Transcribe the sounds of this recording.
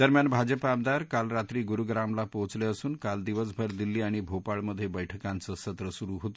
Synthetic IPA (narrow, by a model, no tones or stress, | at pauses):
d̪əɾmjanbʱad͡ʑəpab̚d̪aɾkalɾat̪ɾiːɡuɾuɡɾamlapot͡sleəsuːnkald̪iʋəsbʱəɾd̪ilːiːaɽ̃ibʱopaɭməd̪ʱːjebəjʈʰəkãnt͡səsət̪ɾəsuɾuɦot̪o